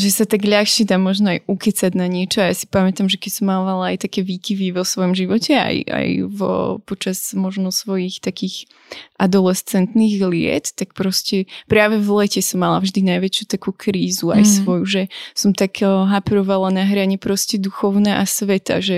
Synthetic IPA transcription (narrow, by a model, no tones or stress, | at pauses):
ʒɛsat̪aɡʎaxʃɪɛd̪aːmɔʒnɔajukɛt͡saɟnaɲɪɛt͡ʃɔajasi̥pamɛt̪amʒɛkɛcsɔmːamalaajt̪akɛːʋiːkiʋiʋɔsʋɔjɔmʒiʋɔcɛa̰ja̰jvɔ̰pɔt͡ʃazmɔʒnɔsʋɔjixt̪akiːx | ʔad̪ɔlɛst͡sɛnt̪niɣlɪɛ̰t̪t̪ak̚pɾɔscɛpɾaːʋɛvlɛcɛsɔmːala̰vʒd̪inajʋɛt͡ʃjut̪akuːkɾiːzua̰jjsʋɔjuʒɛsɔmt̪aɡɦapɛɾɔʋalanaɦɾaɲɛpɾɔscɛd̪uxɔʊnɛʔasʋɛt̪a̰ʒɛ